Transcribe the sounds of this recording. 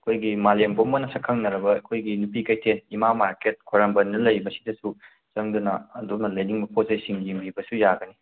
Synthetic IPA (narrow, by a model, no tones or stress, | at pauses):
ɐkʰojɡimalembomɐnɐsɐkʰɐŋnɐɾɐbɐɐkʰojɡinupikɐjtʰenimamaɾket̚kʰoɾɐmbɐnːɐlɐjbɐsi̥dɐsu | t͡ʃɐŋdunɐɐdonɐlɐjniŋmɐpʰozɐjsiŋlimibɐsujaɡɐni